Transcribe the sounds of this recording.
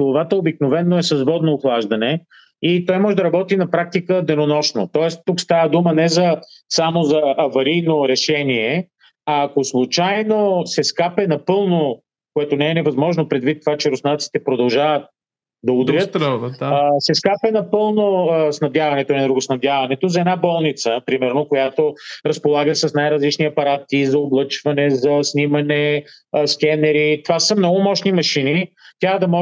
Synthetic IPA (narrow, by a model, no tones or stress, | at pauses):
olˠovat̪əobiknovɛnːoɛsɐzvɔd̪noːxlˠaʒd̪ɐnɛ | it̪ɔjmɔʒɛd̪ɐɾɐbɔt̪inɐpɾak̚t̪ikəd̪ɛnonɔʃnot̪ɔɛst̪ukst̪avəd̪umənɛzɐsamozɐːvɐɾijnoɾɛʃɛniɛ | ɐːkoslˠut͡ʃajnosɛskapɛnɐpɤlˠno | koɛt̪onɛɛnɛvɐzmɔʒnopɾɛd̪vit̪ːovat͡ʃɛɾʊsnat̪si̥t̪ɛpɾod̪ɐlˠʒavət̪̚ | d̪ɐud̪ɾət̪t̪ː | sɛskapɛnɐpɤlˠnosnɐd̪javɐnɛt̪oɛnd̪ɾuɡʊsnɐvd̪javɐnɛt̪ozɐɛd̪nabɔlˠnit̪səpɾimɛɾnokojat̪oɾɐspolˠaɡəsɐsnajɾɐzlit͡ʃniɐpɐɾat̪izɐoblˠɤt͡ʃvɐnɛzɐsnimɐnɛsk̟ʲɛnɛɾit̪ovasɐmnɔɡomɔʃnimɐʃinit̪ʲad̪ɐmɔ